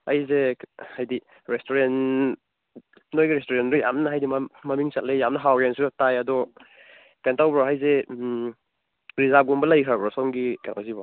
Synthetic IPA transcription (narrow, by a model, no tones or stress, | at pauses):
ajzehajdi | ɾestoɾen | nojɡiɾestoɾendɔja̰mnɐɦajdimamɐmiŋsat̚lejjamnɐɦawɾansuatajadɔ | kantawbɾɔɦajze | ɾizaɡumbɐlɐjkʰɾabɾɔsɔmɡikana̰wzibɔ